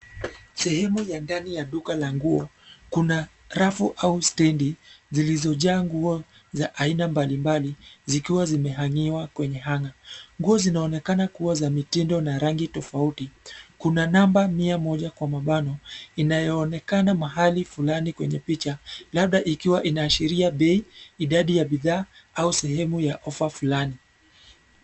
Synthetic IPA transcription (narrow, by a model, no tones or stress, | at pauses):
sɛhɛmujandanijaɗukalaŋɡuɔ | kuna | ɾafuʔaustɛndizilizɔʄaːŋɡuɔ | zaʔainambalimbalizikiwazimɛɦaŋiwakwɛɲɛɦaŋaŋɡuɔzinaɔnɛkanakuwazamitindɔnaɾaŋɡitɔfautikunanambamiamɔʄakwamaɓanɔinajɔːnɛkanamaɦalifulanikwɛɲɛpit͡ʃalaɓɗaʔikiwaʔinaːʃiɾiaɓɛiiɗaɗijaɓiðaːausɛɦɛmujaʔɔfafulani